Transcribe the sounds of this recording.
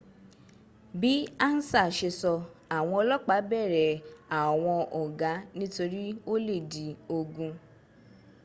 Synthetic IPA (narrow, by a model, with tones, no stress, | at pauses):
bi˦a˦n̩˦sa˦˨ʃe˧sɔ˧a˨w̃ɔ̃˧ɔ˧lɔ˦k͡pa˨˦bɛ˦˨ɾɛ˨a˨w̃ɔ̃˧ʔɔ˨ɡa˨˦nĩ˦to˧ɾi˦o˦le˦˨di˨˦o˧ɡũ˧